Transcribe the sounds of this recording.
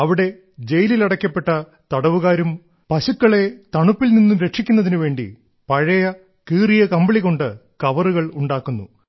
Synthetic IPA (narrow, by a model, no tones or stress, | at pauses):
ɐʋiɽe̞ | d͡ʑe̞jililɐɽɐkʲːɐpːe̞ʈːɐ | t̪ɐɽɐʋuɣaːɾum | pɐɕukːɐɭe̞t̪ɐɳupːilninːumɾe̞ʈʂikʲːunːɐðinuʋe̞ːɳɖḭ | pɐɻɐjɐ | kiːrijɐkɐmbɐɭiɣo̞ɳɖɨkɐʋɐruɣɐɭuɳɖaːkːunːṵ